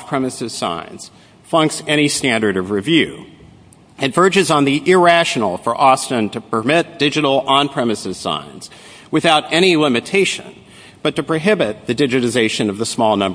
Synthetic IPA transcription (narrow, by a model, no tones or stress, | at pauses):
pʰɹ̥ɛmɨsɨz̥sã̰ɪ̃nz̥ | fʌ̃ŋksɛɾ̃istæ̃ndə˞ɾʌvɹivjʉ | ɨ̃tv̥ɜ˞d͡ʒɨzn̩ðiʔɪɹæʃn̩l̩ˠfə˞ʔɔstɨ̃ntʰɨpʰə˞mɪt̚d̥ɪd͡ʒɨɾl̩ˠə̃npʰɹ̥ɛmɨsɨz̥sã̰ɪ̃nz̥ | wɨθaʊɾɛɾ̃ilɪ̃mɨtʰeɪʃɨ̰̃n | b̥ʌtɨpʰɹ̥ɨɦɪbɨt̪̚ðɨdɪd͡ʒɨɾɨzeɪʃɨ̃nʌvðəsmɔlˠnʌ̃mb